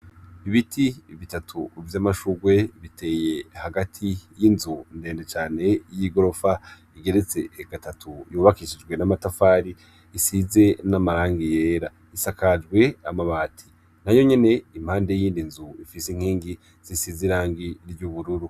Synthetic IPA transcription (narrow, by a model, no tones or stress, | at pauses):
iβitʰiβitatʰuvjamaʃuɡwe̞βitʰe̞ːje̞haɡatʰijinzunde̞ːndet͡ʃaːne̞jiɡo̞ɾo̞fa | iɡe̞ɾet͡se̞ɡ̥atatʰujuːβakiʃid͡ʒɡwe̞namatafaːɾi | isize̞namaɾaːŋɡije̞ːɾa | isakad͡ʒɡwe̞amaβaːtʰi̥ | najo̞ɲe̞ne̞im̥haːndejiːndinzuifisiŋ̥hiːŋɡi | z̥isiziɾaːŋɡiɾɟuβuɾuɾu